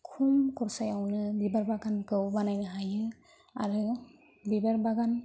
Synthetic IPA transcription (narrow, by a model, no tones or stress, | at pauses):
kʰumkʰɔɾsajawnɯdibaɾbaɡankɯwbanajnaɦajɯ | a̰ɾɯ | bibaɾbaɡan